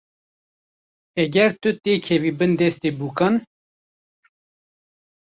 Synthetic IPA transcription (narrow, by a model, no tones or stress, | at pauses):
ɛɡɛɾt̪ʊt̪eːkʰɛviːbɨnd̪ɛst̪eːbuːkɑn